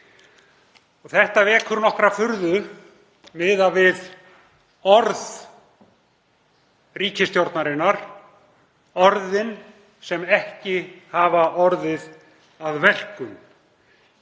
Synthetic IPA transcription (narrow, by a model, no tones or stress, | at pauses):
ɔɣθɛht̪avɛːkʰʏɾnɔhkɾafʏɾðʏ | mɪːðavɪð | ɔɾð | riːcɪst̪jowɾt̪naɾɪnːaɾ̥ | ɔɾðɪn | sɛmɛhcɪhavaʔɔɾðɪð | aðvɛl̥kʏm